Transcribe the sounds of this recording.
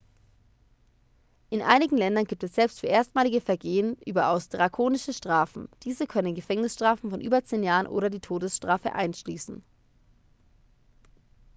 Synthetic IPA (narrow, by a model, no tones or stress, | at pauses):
ʔɪnʔa̰ɪnɪɡŋ̩lɛndɐnɡiːp̚tɛsz̥ɛlpstfyːɐʔeːɐstmaːlɪɡəfɛɐɡeːənʔyːbɐʔaʊsd̥ʁakʰoːnɪʃəʃtʁ̥aːfn̩d̥iːzəkʰœnənɡəfɛŋnɪsʃtʁ̥aːfn̩fɔnʔy̰ːbɐt͡seːnjaːʁənʔo̰ːɾɐdiːtʰoːdəsʃtʁ̥aːfə̰ʔa̰ɪnʃliːsn̩